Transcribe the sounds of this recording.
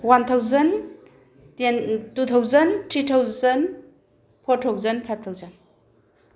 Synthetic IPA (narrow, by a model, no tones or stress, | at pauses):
want̪ʰawzɐn | tentut̪ʰawzɐntɾit̪ʰawzɐn | pʰoɾtʰawzɐnpʰajb̚t̪ʰawzɐn